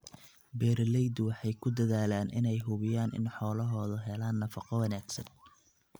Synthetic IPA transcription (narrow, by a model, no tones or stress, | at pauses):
bɛːɾlɛjd̪wɑħɑjkʰʊd̪ɐðaːlaːnʔɪ̰nɛjɦʊβɪjaːnɪ̰nħɔːlɐɦɔːðɐɦɛlaːnːɐfɑqɔwɑnaːɡsɐn